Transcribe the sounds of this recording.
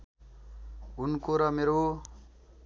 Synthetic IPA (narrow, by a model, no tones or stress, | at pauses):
ʊnkoɾʌmeːɾo